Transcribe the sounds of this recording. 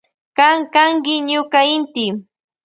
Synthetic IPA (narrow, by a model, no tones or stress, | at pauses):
kaŋkaŋkɪɲʊkaɪnt̪ɪ